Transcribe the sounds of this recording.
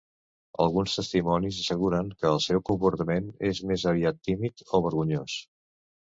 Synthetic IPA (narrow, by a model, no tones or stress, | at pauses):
ə̰lˠɣunst̪əst̪imɔnizəsəɣ̞uɾəŋkəːlˠsɛwkumpuɾt̪əmenezmezəβiat̪ːimit̪oβ̞əɾɣuɲos